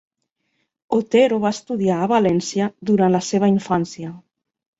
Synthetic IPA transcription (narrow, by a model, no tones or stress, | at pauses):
ot̪eɾoβast̪uðiaːβalɛnsjəd̪uɾanləseβ̞əiɱfansiə